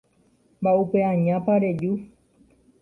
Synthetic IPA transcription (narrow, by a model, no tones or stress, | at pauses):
mbaupeãɲãpaɾe̞d͡ʒu